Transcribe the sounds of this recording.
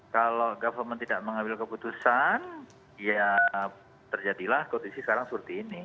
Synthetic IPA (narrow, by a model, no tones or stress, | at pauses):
kaloɡafərmənt̪idaʔməŋambɪlkəput̪usan | ja | t̪ərd͡ʒadilahkondisisə̥kaɾaŋsuɾt̪iːni